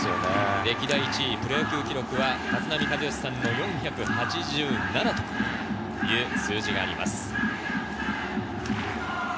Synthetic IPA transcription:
oneɾe̞kʲid̪aiːt͡ɕipɯ̟ɾaɯkʲɨːkʲiɾo̞kɯ̟βat̪at͡sɨnamʲikazɨjoɕi̥sãnːo̞jõ̞ɰ̃çakɯ̟hat͡ɕiʑɨːnanat̪o̞̥ | jɯ̟ːsɨːʑiɡaːɾʲima̰sɨ̥

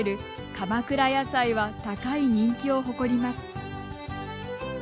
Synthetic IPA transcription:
ɾɯ̟ | kamakɯ̟ɾajasaiβat̪akaiɲ̟ĩŋkʲio̞ɦo̞ko̞ɾʲimasɨ̥

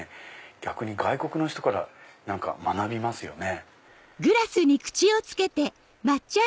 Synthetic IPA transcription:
ɡ̥ʲakɯ̟ɲ̟iɡaiko̞kɯ̟no̞çi̥t̪o̞kaɾa̰nãŋka̰manabʲimasɨjo̞̰ne̞ | ɡɯ̟ɾasɨɲ̟ikɯ̟̥t͡ɕio̞t͡sɨ̥ke̞t̪e̞ | mat͡ɕːa

